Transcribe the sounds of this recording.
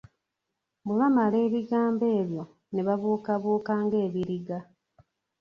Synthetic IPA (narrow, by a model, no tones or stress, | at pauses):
βuβamale̞ːβiɡaːmbe̞ːβjo̞ | neβaβuːkaβuːkaːŋɡe̞ːβiɾiɡa